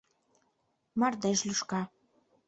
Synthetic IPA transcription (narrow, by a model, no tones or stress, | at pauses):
mɑrd̪eʃlyʃkɑ